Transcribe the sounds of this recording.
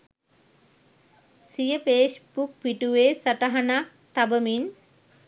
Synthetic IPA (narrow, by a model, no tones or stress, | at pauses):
sijəpeːsbuk̚ʋiʈuʋeːsɐʈəɦanak | t̪abəmin